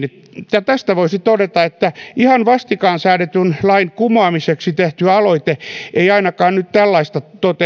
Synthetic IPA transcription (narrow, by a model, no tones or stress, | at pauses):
jɑt̪æst̪æʋoisit̪odet̪ɑet̪ːæihɑnʋɑst̪ikɑːnsæːdet̪ynlɑinkumɑːmiseksit̪eht̪yɑloit̪eʔeiɑinɑkɑːnnyt̪t̪ælːɑist̪ɑt̪ot̪e